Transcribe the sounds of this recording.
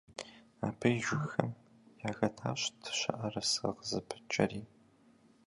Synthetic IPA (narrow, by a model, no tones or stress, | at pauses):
aːpʰɨjʒʷʊxɐm | jaːɣɐtʰa̰ːɕtʰɕʷɐʔɐrɐsɨ̰qəzɨpʰɨ̥t͡ʃʼɐ̰ɾiː